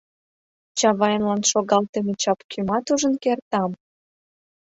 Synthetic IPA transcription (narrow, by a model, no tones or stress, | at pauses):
t͡ɕɑβɑjənlɑnʃoɣɑlt̪emet͡ɕɑpkʰymɑt̪uʒə̆nkert̪ɑm